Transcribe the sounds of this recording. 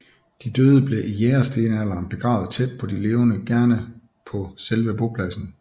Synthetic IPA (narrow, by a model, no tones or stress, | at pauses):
d̥id̥øːð̞ˠəb̥le̝ʔijeːɐsd̥e̝ːnælɐːnb̥e̝ɡ̥ʁɑ̈ːʊð̩ˠt͡sʰed̥̚pʰɒ̽d̥ile̝ːʊnəɡ̥æɐnə | pʰɒ̽selʋəb̥o̝pʰlæsn̩